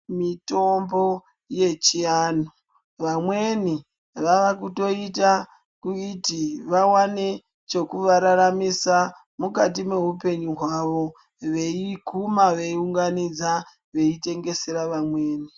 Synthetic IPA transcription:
mito̞mbo̞ | je̞t͡ʃiaːno | ʋamwe̞ni | ʋaʋakuto̞ita | kuitiʋawane | t͡ʃe̞kuʋaɾaɾamisa | mukat̬ime̞ɦupe̞ɲuɦwaʋo̞ | ʋe̞ikumaʋe̞iuŋɡanid͡za | ʋe̞ite̞ŋɡe̞se̞ɾaʋamwe̞ːni

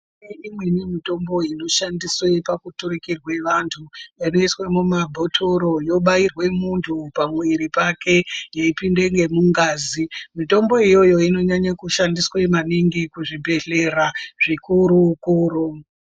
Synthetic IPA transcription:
eimwenemito̞mbo̞ino̞ʃandiswe̞pakutuɾikirwe̞ʋantʰuino̞iswemumabʱo̞tʰoɾo̞jo̞ɓairwe̞muntʰupamwiɾipakʰe̞jeipinde̞ŋɡe̞muŋɡaːzimito̞mbo̞ijo̞jo̞ino̞ɲaɲakuʃandiswemaniŋɡikuʐibʱe̞ɬe̞raʐ̥ikuɾukuːɾu

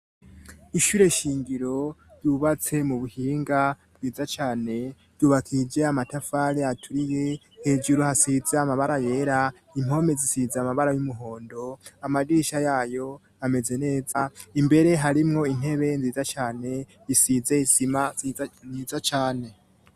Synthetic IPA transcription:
iʃuːɾe̞ʃiːŋɡiɾo̞d̥uβat͡se̞muβuhiːŋɡa | b̥ɡiːzat͡ʃaːne̞ | d̥d̥uβakʰid͡ʒe̞amatafaɾiatʰuɾije̞ | he̞ːd͡ʒuɾohasizeamaβaɾaje̞ɾa | imho̞me̞zisizaamaβaɾajumuɦo̞ːndo̞amaɡiːʃajaːjo̞ | ame̞ze̞ne̞ːzaimbe̞ɾe̞ɦaɾimŋo̞in̥he̞βe̞nziːzat͡ʃaːne̞ | isize̞isimaniːzat͡ʃaːne̞

